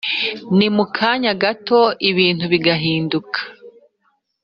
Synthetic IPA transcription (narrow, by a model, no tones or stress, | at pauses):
nimukʰaːɲaɡato̞iβiːn̥huβiɡaɦiːndukʰḁ